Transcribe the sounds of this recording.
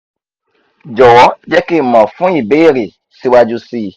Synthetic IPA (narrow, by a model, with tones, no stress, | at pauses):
d͡ʒɔ˨wɔ˨˦d͡ʒɛ˦ke˦˨mã˨fũ˦i˦˨be˦˨ɾe˨ | si˦wa˧d͡ʒu˧siː˦˨